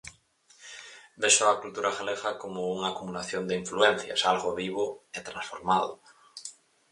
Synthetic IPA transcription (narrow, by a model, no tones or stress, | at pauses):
beʃoakult̪uɾaxaleɣakomouŋakumulaθjond̪eiɱfluen̟θja̰salɣoβiβ̞oet̪ɾansfoɾmað̞o